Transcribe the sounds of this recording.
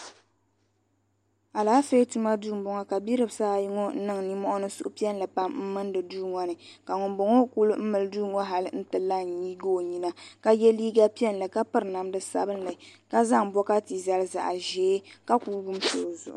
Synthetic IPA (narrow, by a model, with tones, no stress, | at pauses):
a˨laː˨˦fe˦tu˦ma˦duː˦˨m˨bɔ˨ŋa˦ka˨bi˦ɾɨ˨bsaː˦˨ji˦ŋɔ˦n̩˦nɨ˦˨ŋ˨ni˦mɔ˦ʔʊ˦nɨ˦sṵ˦ʔʊ˦pi˦ɛ˦n˨lɨ˨pa˦mm̩˦mɨ˦ndɨ˨duː˦ŋɔ˨nɨ˨ka˨ŋʊ˨mbo˨ŋo˦ku˦lɨ˦m̩˦mɨ˨lduː˦ŋɔ˦ɦa˨lɨ˦n̩˦tɨ˨lːa˦˨ɲi˦ɡoː˦˨ɲi˦na˦ka˦jɛ˦liː˦ɡa˦pi˦ɛ˦n˨lɨ˨ka˦pɨ˦ɾna˨mdɨ˨sa̰˦bɨ˦nlɨ˨ka˦za˦ŋ˨bɔ˦ka˦ti˨za˦lza̰˨ʔa˨ʒɛː˨˦ka˦kuː˦ɡu˦mso̰ː˨zʊ̰˨ʔʊ̰˨